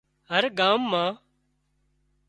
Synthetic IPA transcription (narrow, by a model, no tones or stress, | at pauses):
ɦəɾɡaːmːãː